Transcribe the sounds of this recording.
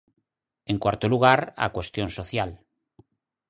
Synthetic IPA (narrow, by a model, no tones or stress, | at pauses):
eŋkwaɾt̪oluɣ̞aɾa̰kwest̪jonsoθjal